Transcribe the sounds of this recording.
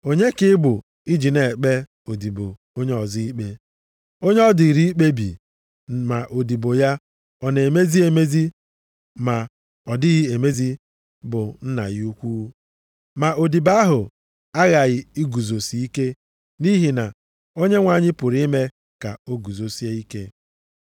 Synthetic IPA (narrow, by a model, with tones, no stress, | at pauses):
o˦ɲe˦kɪ˦bʊ˨ | i˦d͡ʒi˨ne˨k͡pe˦ | o˨di˨bo̰˨ | o˦ɲe˦ɔ˨zi˦i˦k͡pe˦ | o˦ɲe˦ɔ˦di˨ɾi˦i˦k͡pe˦bḭ˨ | ma˨ʔo˨di˨bo˨ja˦ | ɔ˨ne˨me˦zi˦e˨me˦zi˦ | ma˨ | ɔ˨dɪ˦ɣɪ˦e˨me˦zi˦ | bʊ˨n̩˦na̰˨ɣɪ˦u˦kʷu˦ | ma˨o˨di˨ba˦ɦʊ˨ | a˦ɣa˨ɣɪ˦i˦ɡu˨zo˨si˨i˦ke˦ | ni˦ɦi˨na˨ | o˦ɲe˦ŋʷa˨ɲɪ˦pʊ˨ɾi˦me˦ | ka˨o˦ɡu˨zo˨si˦e˦i˦ke˦